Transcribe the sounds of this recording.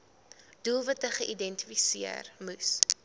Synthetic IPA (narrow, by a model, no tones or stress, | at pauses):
d̥ulˠvɐt̚əχəʔidɛnti̥fisiə̰rmus